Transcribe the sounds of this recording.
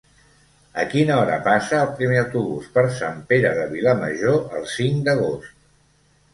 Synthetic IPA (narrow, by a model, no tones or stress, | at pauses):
əkinəɔɾə̰pasəːlˠpɾimeawt̪uβṵspəɾsampeɾəðəβ̞iləmə̰ʒoəlˠsiŋd̪əɣ̞ost̪